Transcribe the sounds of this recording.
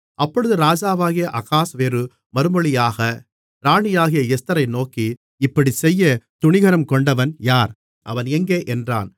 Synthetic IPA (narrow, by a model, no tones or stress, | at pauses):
ʔɐpːɔɻɯðɯɾaːd͡ʒaːʋaːɣɪjɐʔɐɣaːsʋeːɾɯ | mɐɾɯmɔɭɪjaːɣɐ | ɾaːɳɪjaːɣɪjɐɛst̪ɐɾɐɪnoːki | ɪpːɐɽisɛjːɐt̪ʊɳɪɣɐɾɐmkɔɳɖɐʋɐnjaːɾ | ʔɐ̰ʋɐnɛŋɡeːʔɛndra̰ːn